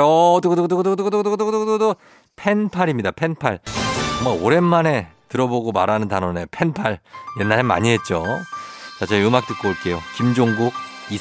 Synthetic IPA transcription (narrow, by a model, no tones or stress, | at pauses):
ʌduɡdod̪oɡdodododoɡdɡdɡdodo | pʰe̞npʰaɾimɲidapʰe̞npʰaɭoŋaoɾe̞nːane̞tɯɾʌboɡomaɾanɯntanʌne̞pʰe̞npʰaɭje̞nːaɾema̰ɲiɦe̞t̚t͡ɕ͈o | t͡ɕat͡ɕʌiɯmaket͈ɯk͈ooɭk͈e̞jokimd͡ʑoŋɡuk̚ | i